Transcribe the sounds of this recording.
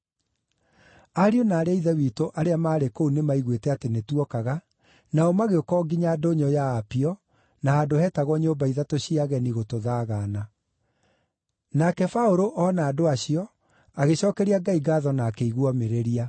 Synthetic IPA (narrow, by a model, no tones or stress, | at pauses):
aɾionaːɾeaiðɛwitoʔaɾeamaːɾekounemaiɣwetɛatenetwɔkaɣa | naomaɣeokɔɡiɲadoɲɔjaːpiɔ | nahadohɛtaɣɔɲoːmbaiðatoɕiaɣɛniɣotoðaːɣaːna | nakɛfaoɾoʔɔnaːdoaɕiɔ | aɣeɕɔːkɛɾiaɡaiɡaːðɔnaːkeiɣwɔmeɾeɾia